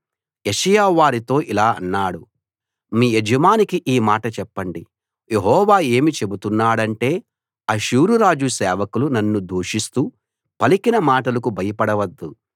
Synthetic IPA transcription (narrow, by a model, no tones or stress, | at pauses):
eʃɐjaːʋaːɾit̪o̞ːʔilaːɐnːaːɽu | miːed͡ʒɐmaːnikiʔiːmaːʈɐt͡ʃɛpːɐɳɖi | je̞ɦɔːʋaːe̞ːmit͡ʃe̞but̪unːaːɽɐɳʈe̞ː | ɐʃuːɾuɾaːd͡ʒusɛːʋɐkulunɐnːud̪ʱuːʂist̪uː | pɐlikinɐmaːʈɐlɐkubʱɐjɐpɐɽɐʋɐd̪ːu